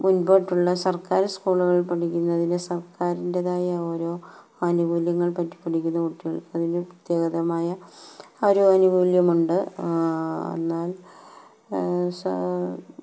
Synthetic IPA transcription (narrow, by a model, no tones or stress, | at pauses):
munboːʈːuɭːɐsɐrkaːɾɐskuːɭuɣɐɭpɐʈikʲːunːɐðinesɐrkaːɾindeðaːjɐoːɾo̞ː | ɐnubuːljɐŋːɐɭpɐtːi̥pːɐʈʰikʲːunːɐkuʈːiɣɐɭkɨɐðineprɐt̪jeːɣɐðɐmaːjɐoɾoɐnubuːljɐmuɳɖɨ | ḛnːaːl | s